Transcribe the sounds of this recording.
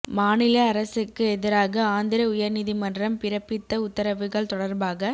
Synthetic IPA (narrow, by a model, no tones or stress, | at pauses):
maːnɪlɐːɾɐsɯkːɯɛðɪɾaːɣɐaːnd̪ɪɾɐʊjɐɾnɪðimɐndrɐmpɪɾɐpːɪt̪ːɐʊt̪ːɐɾɐʋɯɣɐɭt̪ɔɽɐɾbaːɣɐ